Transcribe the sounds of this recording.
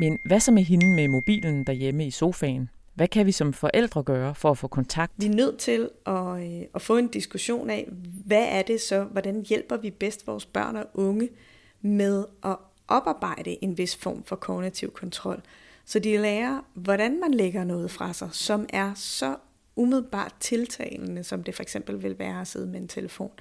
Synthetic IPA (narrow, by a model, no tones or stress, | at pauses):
menʋæsɒ̽mæɦenmemo̝b̥ḭːln̩d̥æɐjeməiso̝ːfɛ̰ːɪn | ʋækʰæʋisɒ̽mfɒ̽ʔel̰d̥ʁɐɡ̥œːɐfɒ̽æfɔ̽ːkʰɒ̽nt͡sʰɑ̈ɡ̥̚d̥ʋ̥inøð̞̰ˠt͡sʰe̝lʔɒ̽ɒ̽fɔ̰̽ːe̝nd̥isɡ̥uɕo̝̰ːnɛ̰ʋæʔæɐd̥e̝sɒ̽ʋɒd̥ænjel̰b̥ɐʋib̥esd̥ʋɒːsb̥ɶ̰ɐ̰nɒʔɔ̽ŋə | með̞ˠʔɒ̽ | ʔɒ̽b̥ɑ̈ːb̥ɑ̈ɪ̰ɾ̥əʔe̝nʋe̝sfɒ̰ːmfɒ̽kʰɒʊnit͡sʰiʊ̰kʰɒ̽nt͡sʰʁɒ̽l̰ | sɒ̽d̥ilɛːɐʋɒɾænmænleɡ̥ɐnɔ̽ːð̩ˠfʁɑ̈sɑ̈ɪsɒ̽mæɐsɒ̽ | umið̞ˠl̩b̥ɑ̰̈ːd̥̚t͡sʰe̝lt͡sʰɛ̰ːɪlnəsɒ̽md̥e̝fɒ̽eɡ̥sem̰b̥l̩ʋe̝lʋæːɐɒse̝ð̞ˠəmeent͡sʰeləfo̝̰ːn